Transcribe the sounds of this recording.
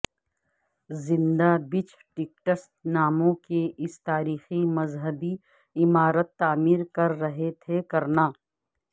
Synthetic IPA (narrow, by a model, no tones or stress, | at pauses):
zɪ̃nd̪abɪt͡ʃ | ʈɪk̚ʈəstnaːmõkeɪst̪aːɾiːximɐzɦəbi | ɪmaːɾət̪ːaːmiːɾkɐɾːɐɦet̪ʰekɐɾnaː